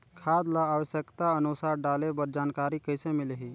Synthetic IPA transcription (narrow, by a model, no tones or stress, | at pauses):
kʰad̪laːʋəʃjəkt̪aənusaɾɖaːlebəɾd͡ʒaːnkaːɾikəjsemɪleɦi